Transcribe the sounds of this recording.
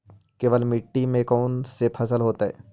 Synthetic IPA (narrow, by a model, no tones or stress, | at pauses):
keːʋəlmɪʈːimẽkɔːnsepʰɐsəlɦoːt̪aɦɛ̰ː